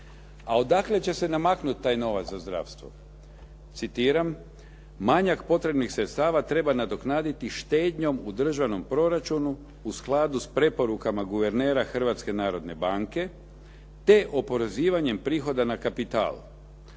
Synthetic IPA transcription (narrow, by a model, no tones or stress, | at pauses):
ao̞d̪akle̞t͡ɕe̞se̞namaknut̪̚t̪ːaːjno̞ʋat̪zazd̪ɾa̰fst̪ʋo̰ | t̪sit̪iːɾam | maɲakpo̞t̪ɾe̞bnixsɾe̞t̪st̪aːʋat̪ɾe̞banad̪o̞knaːd̪it̪iʃt̪e̞ːd̪ɲo̞mud̪r̩ʒano̞mpɾo̞ɾat͡ʃunu | usklˠaːd̪uspɾe̞po̞ɾukamaɡuʋe̞ɾne̞ːɾaxr̩ʋat̪ske̞naːɾo̞d̪ne̞baŋke̞ | t̪e̞ʔo̞po̞ɾe̞ziːʋaɲe̞mpɾiːxo̞d̪anakapit̪a̰ːl